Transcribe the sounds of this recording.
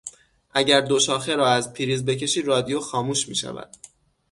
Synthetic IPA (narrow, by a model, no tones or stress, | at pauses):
ʔæɟæɾd̪o̞ʃɒːxe̞ɾɒːæzpʰiːɾiːzbe̞cʰe̞ʃiːɾɒːd̪ijoxɒːmuːʃmḭːʃæ̰væ̰d̪̥